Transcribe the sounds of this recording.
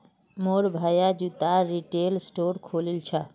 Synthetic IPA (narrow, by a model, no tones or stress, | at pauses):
moɾbʱajad͡ʑut̪aɾiʈelsʈoɾkʰolilt͡ɕʰa